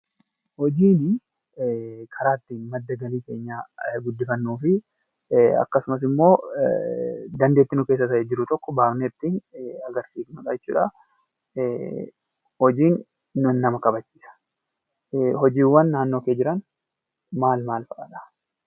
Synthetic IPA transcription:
hɔd͡ʒiːnɪ | kʰɐɾaːt̪ːinmɐd̪ːɐɡɐliːke̞ːɲːaːɡʊd̪ːɪfɐnːuːfɪ | ɐ̰kːɐsʊmɐs̬ɪmːo̞ː | d̪ɐnd̪e̞ːt̪ːɪnʊke̞ːs̬ːɐt̪ɐʔɛd͡ʒɪɾʊt̪ɔkːɔbaːbneɪt̪ːiːnɐɡɐɾsiːknɐkɐd͡ʒɛt͡ʃːṵːᶑɐ | hɔd͡ʒiːnː | ʊnːɐmɐkɐbɐt͡ʃːiːsɐ̥ | hɔd͡ʒiːwːɐnːaːnːo̞ːkeːd͡ʒɪɾɐn | maːlmaːlfɐkɐ̰ᶑɐ̥

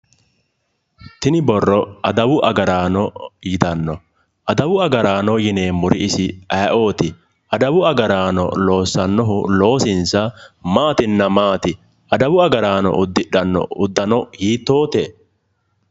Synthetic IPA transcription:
t̪ɪnɪbɔrːɔʔɐd̪ɐwʊʔɐɡɐɾaːnɔjɪt̪ɐnːɔ | ʔɐd̪ɐwʊɐɡɐɾaːnɔjɪneːmʊɾɪɪsɪʔɐʔo̞ːt̪ɪ | ʔɐd̪ɐwʊɐɡɐɾaːnɔ̰lo̞ːsːɐnːɔɦʊlo̞ːsɪnsɐmaːt̪ɪnːɐmaːt̪ɪ | ʔɐd̪ɐwʊɐɡɐɾaːnɔ̰ʔʊd̪ːɪᶑɐnːɔ̰ʊd̪ːɐnɔhiːt̪ːo̞ːt̪eː

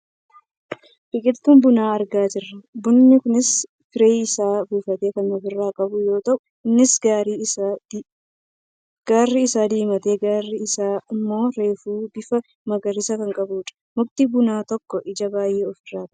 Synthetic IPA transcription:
b̥ɪkʼɪlt̪uːnbʊnaːɐɾɡaːd͡ʒɪrːɐbʊnːɪkʊnɪs | fɪɾeːɪsaːbuːfɐt̪e̞ːkɐnɔfɪrːaːkʼɐbʊjo̞ːt̪ɐʔʊ | ɪnːɪsaɾ | ɡ̥aːrːɪɪsaːd̪iːmɐt̪e̞ːɡaːrːɪɪsaːɪmːo̞ːɾe̞ːfuːbɪfɐ | mɐɡɐrːɪsɐkɐŋkʼɐbuːᶑɐ̥ | mʊkt̪ibʊnaːt̪ɔkːɔʔɪd͡ʒɐbaːjeːɔfɪrːaːt̪ɐʔ

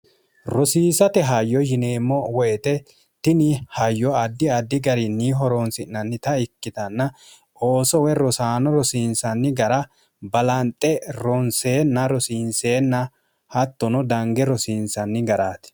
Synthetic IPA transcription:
ɾɔsiːsɐt̪ɛɦɐjːɔjɪneːmːɔwɔjɛt̪ɛ | t̪ɪnɪhɐjːɔɐd̪ːɪɐd̪ːɪɡɐɾɪniːɦɔɾɔnsɪnːɐnːɪt̪ɐɪkːɪt̪ɐnːɐ | oːsɔwɛɾɔsaːnɔɾɔsiːnsɐnːɪɡɐɾɐ | bɐlɐnt̪ʼːɛɾɔnseːnːɐɾɔsiːnseːnːɐ | hɐt̪ːɔnɔd̪ɐŋɡɛɾɔsiːnsɐnːɪɡɐɾaːt̪ɪ̥

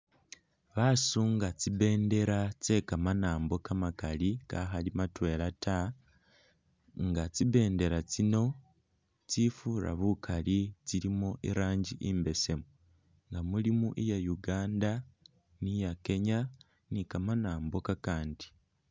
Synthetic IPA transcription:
βasuːŋɡat͡siβe̞ːnde̞ɾat͡se̞kamanaːmbo̞kamakalika̰ɦalimatwe̞lata | ŋɡat͡siβe̞ːnde̞ɾat͡sino̞ | t͡sifuɾa̰βukʰalit͡silimoʔiɾaːɲɟiʔimbe̞se̞mu | ŋɡamulimuʔijajuɡaːnda | nijake̞ɲa | nikamanaːmbokakaːndi

